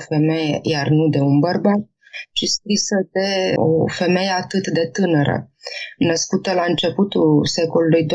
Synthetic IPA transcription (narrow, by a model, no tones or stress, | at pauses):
fe̞me̞jejarnud̪e̞unbərbat̪̚ | t͡ʃiskɾisəd̪e̞o̰fe̞me̞je̞at̪ɨt̪d̪e̞t̪ɨnəɾə̰nəskut̪əlaɨnt͡ʃe̞put̪ulse̞ko̞lulujd̪o